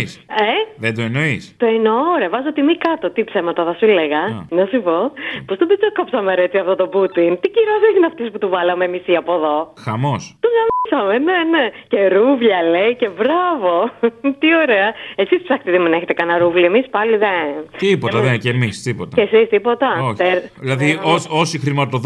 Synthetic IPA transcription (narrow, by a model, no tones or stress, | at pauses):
seðed̪oeno̞ist̪oenoɾeɐvɐzot̪imikɐt̪ot̪ipsemɐt̪ɐðɐsuleɣɐnɐsipopost̪obit͡sokɐpsɐmeɐɾet͡siɐft̪ot̪o̞but̪int̪iciɾosizinɐft̪isput̪uvɐlɐmemisiɐpoðoxɐmo̞st̪onɐnisɐmene̞nece̞ɾuvʎɐle̞ice̞vɾɐvo̞t̪io̞ɾe̞ɐe̞sispsɐkt̪iðimeneçet̪ekɐnɐɾuvlie̞mispɐliðeipot̪ɐðecemist̪ipot̪ɐesist̪ipo̞t̪ɐoeɾilɐðioosixɾimɐt̪oð